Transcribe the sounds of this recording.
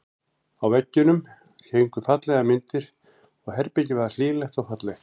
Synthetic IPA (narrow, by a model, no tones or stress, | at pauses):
awvɛcːʏnʏm | cʰeːjŋkʏfat̪lɛɣamɪnt̪ɪɾ̥ | ɔɣhɛɾpɛcɪvɛðal̥iːlɛxt̪awfat̪lɛx